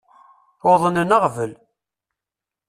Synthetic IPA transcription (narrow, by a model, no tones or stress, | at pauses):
oðˤənənəʁvəl